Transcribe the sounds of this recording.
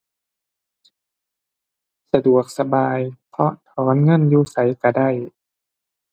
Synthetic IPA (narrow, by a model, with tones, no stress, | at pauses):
sa˧du˨˩ək̚sa˧baː˧jpʰɔ˧ʔt̪ʰɔː˩˦nŋɤ˧˥˨njuː˧˩sa˨˦jka˧˩da˥˩j